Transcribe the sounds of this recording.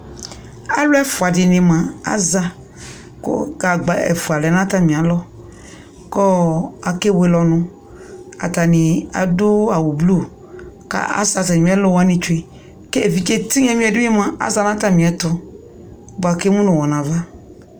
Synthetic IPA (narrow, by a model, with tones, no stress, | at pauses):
a˦lʊ˦ɛ˦fʊ˨a˨dɪ˨nɪ̃˨mã˨a̰˦za˧ | kʊ̰˦ɡa˨ɡ͡ba˨ɛ̰˨fu˨a˨lɛ˨˦nã˦t̪a˦mĩ˨a˨lɔ˦ | kɔ˦a˨ke˦we˦lɔ˨nʊ̃˧ | a̰˨ta˨nɪ̃˨a̰˨dʊ˦a˨wu˨blu˦˨ | ka̰˦a̰˦sa˧tã˨˦ɛ˦lɔ˦wa˦nĩ˧t͡ʃu˦e˨ | ke˦e˨vi˨t͡ʃe˦t̪i˦ɲɛ̃˦mĩ˦ɛ˨dʊ˦ĩ˦mã˨a̰˨za˦˨nã˦t̪a˦˨mĩ˨ɛ˨t̪ʊ˦ | ba˨ke˦mũ˦nʊ̃˨wɔ˨nã˨va˦